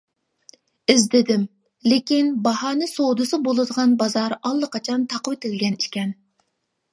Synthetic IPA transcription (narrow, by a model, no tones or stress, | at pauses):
ɪzd̪ɪd̪ɪm | lɪkʲinbɑhɑːnɨsod̪ɨsɨbolˠɨd̪əʁɑnbɑzɑɾɑlˠːəqʰɑt͡ʃʰɑnt̪ʰɑqəwɪt̪ʰɪlɡʲɛniʃkʲɛn